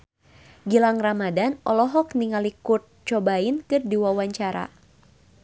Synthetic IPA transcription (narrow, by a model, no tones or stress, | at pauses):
ɡilaŋramadanɔlɔɦɔk̚niŋalikurt̪̚t͡ʃɔbainkɨrdiwawaɲt͡ʃaɾa̰